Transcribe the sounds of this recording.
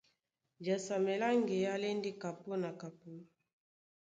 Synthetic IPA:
d͡ʒa˨sa˨me˨la˦ŋɡe˨ja˦le˦ndi˦ka˨po˦na˨ka˨p̚u˦˨

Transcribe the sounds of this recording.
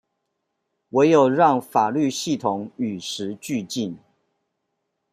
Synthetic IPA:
we˧˥ɪjo˨˩ʊɻɑ˥˩ŋfa˨˩ly˥˧ɕi˥˩t̪ʰʊ˨˩˦ŋy˨˩ʂɻ̩˧˦t͡ɕy˥˧t͡ɕi˥˨n

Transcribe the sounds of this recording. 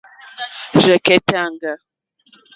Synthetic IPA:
ʒɛ˨kɛ˦ta˦˨ŋɡa˨

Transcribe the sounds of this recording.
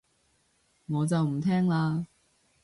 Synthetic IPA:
ŋɔː˨˧t͡sɐ˨wm̩˨˩t̪ʰɛː˥ŋlaː˧

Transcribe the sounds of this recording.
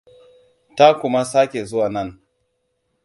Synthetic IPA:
ta˦kʷʊ˦ma˦sa˦kʲe˨zʊ˦wa˨nɐ˦˨n

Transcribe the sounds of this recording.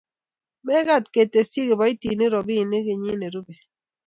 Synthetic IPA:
mɛ˦ɣa˦˨t̚ke˨te˨si˦ɡe˨bɔ˨˦i˦ti˨ni˦ɾɔ˨bi˦˨ni˦ɡe˨ɲi˦ne˨ɾu˦be˨

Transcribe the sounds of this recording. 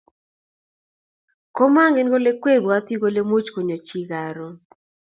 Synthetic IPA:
ko˦ma˦ŋɡe˦nɡo˦le˦kwe˦˨bo˨a˦t̪i˦ɡo˦le˦mo˦t͡ʃko˨ɲo˨t͡ʃi˦ɡa˨ɾɔ˨

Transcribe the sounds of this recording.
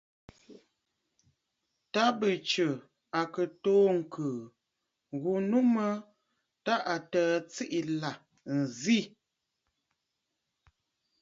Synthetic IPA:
ta˦bə˨t͡ʃə˨ | a˨kə˨toː˦ŋ̩˨kʰə˨ | ɣu˨nu˦mə˦ | ta˦ʔa˨təː˨t͡si˦ʔi˨la˨ | n̩˨zi˦˨

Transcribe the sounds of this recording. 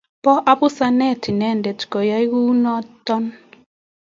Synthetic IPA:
pɔ˦ʔa˦pu˦sa˦nɛ˦˨tʰi˨nɛ˦˨ndɛ˨ti̥˨kɔ˨ja˦i˦ɣu˦nɔ˦tːɔ˦n

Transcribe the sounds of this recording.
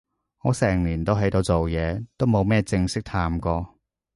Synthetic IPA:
ŋɔː˨˧sɛː˨˩ŋliː˨˩nt̪o˥wɦjt̪o˧wt͡so˨wjɛː˨˧t̪o˥wmo˨˧wmɛː˥˧t͡sɪ˧ŋsɪ˥k̚t̪ʰaː˧mkɔː˧

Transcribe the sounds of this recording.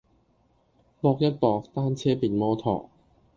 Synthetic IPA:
pɔː˥k̚jɐ˥t̚pɔː˧k̚t̪aː˥nt͡sʰɛː˥piː˨nmɔː˥t̪ʰɔ̰ː˨˩k̚

